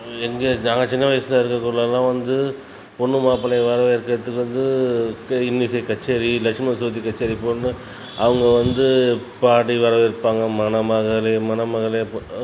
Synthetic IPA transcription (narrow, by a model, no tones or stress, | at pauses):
ɛŋɡeːnaːŋɡɐt͡ʃɪnːɐʋɐjɐsɪlaɪɾɯkːɐkːuːɽɭɐlːãːʋɐnd̪ɯ | pɔɳːɯmaːpɐnɐʋɐɾɐʋɪɾɯkːɯɾɐt̪ːɯkːɯʋɐnd̪ɯ | ɪnːisɐkɐt͡ʃːeɾilɐkʂmɐsuːt̪ːikɐt͡ʃːɐɾipoːnːɯ | ɐʋɐŋɡɐʋɐnd̪ɯpaːʈiʋɐɾɐʋɪɾɯpːaːŋɡɐmɐnɐmɐɣɐɭɐmɐnɐmɐɣɐɭɐ